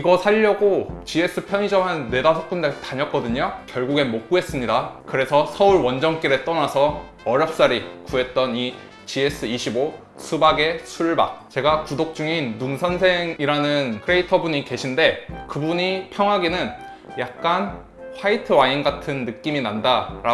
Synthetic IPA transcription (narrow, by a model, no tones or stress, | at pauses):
iɡʌsʰaʎːʌɡot͡ɕie̞s͈ɯpʰjʌɲid͡ʑʌmɦanːe̞dasʰok̚k͈undetaɲʌk͈ʌdɯɲokjʌɭɡuɡe̞mok̚k͈uɦe̞s͈ɯmɲidakɯɾe̞sʰʌsʰʌuɭwʌnd͡ʑʌŋk͈iɾet͈ʌnasʰʌ | ʌɾjʌp̚s͈aɾikue̞t̚t͈ʌni | t͡ɕie̞s͈ɯiɕʰibo | sʰubaɡe̞sʰuɭba̰t͡ɕe̞ɡakudok̚t͡ɕ͈uŋinːuŋsʰʌnsʰe̞ŋiɾanɯnkʰɯɾe̞itʰʌbuɲike̞ɕʰinde̞kɯbuɲipʰjʌŋɦaɡinɯn | jak̚k͈an | ɸwaitʰɯwainɡatʰɯnːɯk͈iminandaɾa